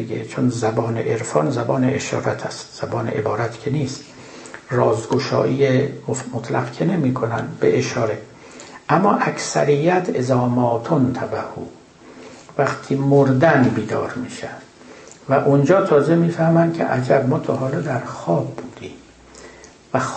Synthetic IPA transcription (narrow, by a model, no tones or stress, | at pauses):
ɡḛt͡ʃʰonzæbɒːnḛʔeɾfɒːnzæbɒːneʔeʃɒ̰ːɾæt̪ʰæst̪z̥æbɒːnḛʔḛbɒːɾæt̪cʰeniːst̪ | rɒːzɡoʃɒ̰ːʔiːjemomot̪ʰlæɡkʰenemiːkʰonæ̰nd̪bḛʔeʃɒːɾe̞ | ʔæmːɒːʔæksæ̰ɾijːæt̪ʰezɒːmɒːt̪ʰont̪ʰæbæhṵː | væχt̪ʰiːmoɾd̪ænbiːd̪ɒ̰ːɾmiːʃæ̥ | væʔund͡ʒɒːt̪ʰɒːzemiːfæhmænd̪cʲʰḛʔæd͡ʒæbmɒːt̪ʰoɦɒːlɑːd̪æɾxɒːb̚ːuːd̪̥iːm | væx